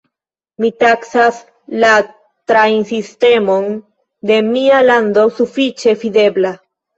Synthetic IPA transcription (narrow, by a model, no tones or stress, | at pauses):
mitaksas | la | tɾajnsiste̞mo̞n | de̞mialando̞sufit͡ʃe̞fide̞bla